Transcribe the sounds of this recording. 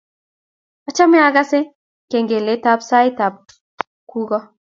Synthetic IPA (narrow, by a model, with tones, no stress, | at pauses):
ɔ˦t͡ʃa˦mɪ˦a˦ɡa˦sɪ˦ | ke˨ŋɡe˨le˨˦ta˦psa˦ɪ˦ta˨p̚ | ku˦ɡɔ˦